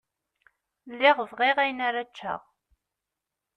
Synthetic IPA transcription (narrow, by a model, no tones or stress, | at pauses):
lːɪʁəvʁɪʁæjnaɾat͡ʃːə̰ʁ